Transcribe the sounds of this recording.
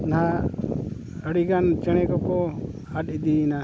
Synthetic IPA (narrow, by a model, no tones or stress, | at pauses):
naɦa | əɽiɡant͡ʃɛɽ̃ɛkɔkɔ | at̪id̪ina